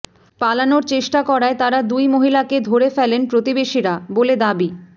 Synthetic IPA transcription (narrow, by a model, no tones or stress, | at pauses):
palanoɾt͡ɕeʃʈakɔɾaet̪aɾad̪ujmoɦilaked̪ʱoɾefɛlenpɾot̪ibeʃiɾaboled̪abi